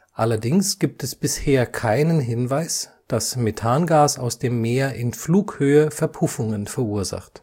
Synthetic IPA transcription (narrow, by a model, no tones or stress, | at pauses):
ʔalɐdɪŋsɡ̥iːp̚tɛsb̥ɪsheːɐkʰaɪnənɦɪnvaɪs | d̥asmetʰaːnɡaːsaʊsd̥eːmːeːɐʔɪnfluːkhøːəfɛɐpʰʊfʊŋənfɛɐuːɐza̰χt